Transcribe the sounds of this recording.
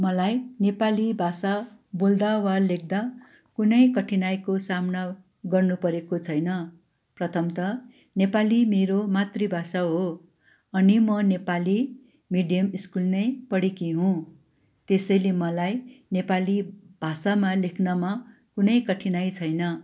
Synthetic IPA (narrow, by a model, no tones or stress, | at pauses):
mʌlajnepalibʱasabold̪awalek̚ʰd̪a | kunʌjkʌʈʰinajkosamna | ɡʌrnupʌɾekot͡sʰʌjnʌ | prʌt̪ʰʌmt̪ʌ | nepalimeɾomat̪ribʱasaɦo | ʌnimʌnepali | miɖijʌmiskulnʌjpʌɽekiɦũ | t̪esʌjlemʌlajnepalib̥ʱasamalekʰnʌma | kunʌjkʌʈʰinajt͡sʰʌjnʌ